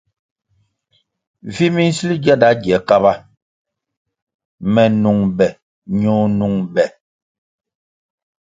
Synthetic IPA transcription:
vi˦mi˦n̩˦si˦li˦d͡ʒa˦da˦ɡɛ˨˦ka˦ba˦ | mɛ˨nu˨ŋbɛ˨ | ɲoː˦nu˨ŋbɛ˨

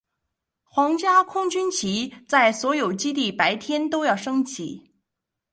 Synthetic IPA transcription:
xwɑ˧˥ŋt͡ɕja˥kʰʊ˥ŋt͡ɕy˥nt͡ɕʰi˧˥t͡sa˥˩ɪswɔ˧˥jo˨˩ʊt͡ɕi˥t̪̬i˥˩pa˧˥ɪt̪ʰjɛ˥nt̪o˥ʊjɑ˥˩ʊʂɤ˥ŋt͡ɕʰḭ˧˩˦

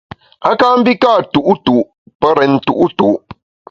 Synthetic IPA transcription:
a˦ka˦m̩˦bi˦kaː˦˨tu˨ʔu˦tu˨ʔ | pə˦ɾɛ˨n̩˨tṵ˨ʔu˦tu˨ʔ

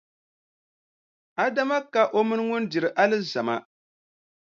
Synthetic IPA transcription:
a˦da˦ma˦ka˨ʔo˦mɨ˦nɨ˦ŋʊ˦n˦dɪ˨ɾɨ˨ʔa˦lɨ˦za˨ma˦

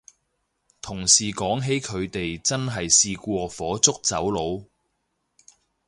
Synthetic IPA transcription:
t̪ʰʊ˨˩ŋsiː˨kɔː˨˥ŋɦe˨˥jkʰɵ˨˧ɥt̪e˨jt͡sɐ˥nɦɐ˨jsiː˧kʷɔː˧fɔː˨˥t͡sʊ˥k̚t͡sɐ˨˥wlo˨˧w

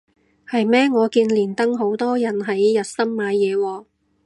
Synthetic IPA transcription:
hɐ˨jmɛː˥ŋɔː˨˧kiː˧nliː˨˩nt̪ɐ˥ŋɦo˨˥wt̪ɔː˥jɐ˨˩nɦɐ˨˥jːɐ˨t̚sɐ˥mmaː˨˧jjɛː˨˧wɔː˧

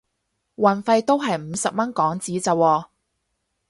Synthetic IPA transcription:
wɐ˨˩nfɐ˧jt̪o˥wɦɐ˨jm̩ː˨˧sɐ˨p̚mɐ˥nkɔː˨˥ŋt͡siː˨˥t͡sɐ˨˧wɔː˨˧

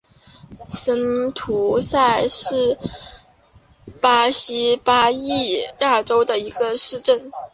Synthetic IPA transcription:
sə˥nt̪ʰu˧˥sa˥˧ɪʂɻ̩˥˩ | pa˥ɕi˥pa˥i˥˩ja˥˩ʈ͡ʂo˥ʊd̪ə˨i˧˥ɡə˧ʂɻ̩˥˧ʈ͡ʂə˥˩n

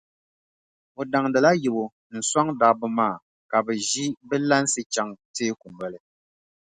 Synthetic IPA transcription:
o˨da˨ŋdɨ˨la˦ji˨bo˨ | n̩˨sa˦ŋda˨bɨ˦maː˦˨ | ka˨bɛ˨ʒi˦bɛ˦la˦n˦sɨ˦t͡ʃa˨ŋteː˦ku˨m˨bɛ˦lɨ˦

